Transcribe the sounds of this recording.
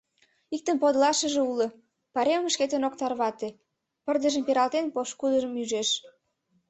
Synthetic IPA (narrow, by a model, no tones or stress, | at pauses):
ik̚t̪ənpod̪lɑʃə̆ʒeulə | pɑɾemmʃket̪enokt̪ɑrβɑt̪e | pərd̪əʒəmpeɾɑlt̪enpoʃkud̪ə̆ʒə̆myʒeʃ